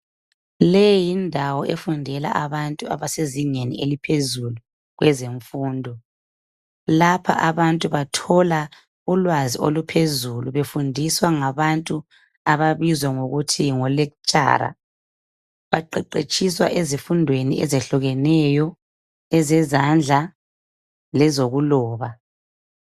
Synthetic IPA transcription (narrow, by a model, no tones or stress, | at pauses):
lejindʱawɔʔefundʱɛla̰ʔaβantʼua̰βaseziŋenḭelipʰezulu | ɣwɛzeɱfuːndʱɔ | lapʰa̰ʔaβantʼuβatʰɔla | ulwazio̰lupʰezuluβefundʱiswaŋaβantʼu | aβaβizwaŋoɣutʰiŋɔlɛkt͡ʃʼa̰ːɾa̰ | βaǃɛǃet͡ʃʼiswa̰ʔezifundʱweniʔɛ̰zɛɬuɣɛnɛjɔ | ɛzɛzand͡ɮʱa | lɛzoɣulɔːβa